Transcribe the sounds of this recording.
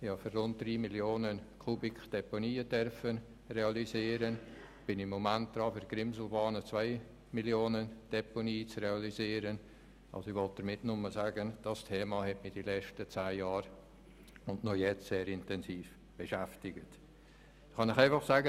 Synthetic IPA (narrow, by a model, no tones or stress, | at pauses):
ɪhɑfyrrʊnt̚d̥riːmiljoːnənkʰubɪkχd̥ɛponiːəd̥œrfən | reɑliziːɾən | b̥ɪnɪmːomænt̚d̪̥ɾɑːfyɾɡ̥ɾɪmzl̩bɑːnət͡svaɪ | miljoːnənd̥ɛponiːt͡sreɑliziːɾən | ʔɑ̰lsoiʋɔlt̚d̥əɾmɪtnʊmːəsaːɡənd̥ɑstʰeːmɑhɛtmɪd̥ilɛt͡ʃtət͡saːjɑːɾ | ʊndnojɛt͡stseːɾɪntɛnsiːf | b̥eʃæftɪɡ̥ət | χɑnɪχæɪfɑχsaːɡə